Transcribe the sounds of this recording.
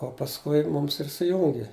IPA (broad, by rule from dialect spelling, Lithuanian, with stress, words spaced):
oː pɐsˈkʊɪ ˈmʊms ɪr sʊˈjʊŋʲɡʲɪ